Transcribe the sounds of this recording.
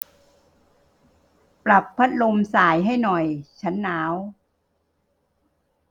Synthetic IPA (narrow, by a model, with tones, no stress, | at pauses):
pɾa˨˩pʰːa˦˥t̪̚lo˧msaː˨˩jɦa˥˩jnɔ˨˩jt͡ɕʰa˦˥nːaː˦˥w